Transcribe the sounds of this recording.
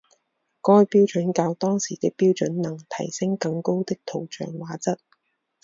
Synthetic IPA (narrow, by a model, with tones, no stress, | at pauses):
kɔː˥˧jpiː˥wt͡ʃɵ˨˥nkaː˧wt̪ɔː˥ŋsiː˨˩t̪ɪ˥k̚piː˥wt͡ʃɵ˨˥nnɐ˨˩ŋt̪ʰɐ˨˩jsɪ˥ŋkɐ˧ŋko˥wt̪ɪ˥k̚t̪ʰo˨˩wt͡ʃœ̰ː˨ŋwaː˨˥t͡sɐ˥t̚